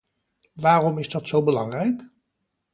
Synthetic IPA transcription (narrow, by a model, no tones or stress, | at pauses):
ʋaːrɔmɪzdɑtsowbəlɑŋrɛjk